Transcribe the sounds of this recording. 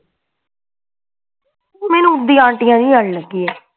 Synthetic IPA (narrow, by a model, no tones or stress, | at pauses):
mɛːnũːʊd̪ːĩːãːɳʈɪjãːnĩːəɽləɡːiːɛː